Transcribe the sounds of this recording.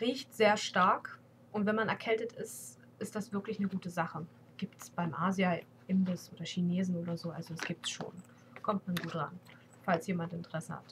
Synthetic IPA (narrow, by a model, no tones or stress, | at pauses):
ʁiːçtz̥eːɐʃtaɐk | ʔʊntv̥ɛnmanɛɐkʰɛltətɪst | ʔɪstd̥asv̥ɪɐklɪçnəɡuːtəzaχə | ɡ̥iːptsb̥aɪmʔaːzja | ʔɪmbɪsʔoːdɐʃineːzn̩oːdɐzoːʔa̰lzoɛsɡ̥iːp̚tsʃo̰ːn | kʰɔmtmanɡuːtʁa̰n | falsjeːmantɪntəʁɛsəha̰t